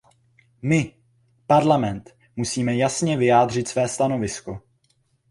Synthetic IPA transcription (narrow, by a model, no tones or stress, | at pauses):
mɪ | paɾlamɛnt̪ | musiːmɛjasɲɛvɪjaːdr̝ɪt̪svɛːst̪ano̞vɪsko̞